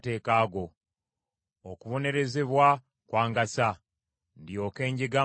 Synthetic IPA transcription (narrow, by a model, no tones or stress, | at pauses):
te̞ːkaːɡo̞ | okuβo̞ne̞ɾe̞ze̞βwa | kwaːŋɡasa | ndjo̞ke̞ːɲɟeɡa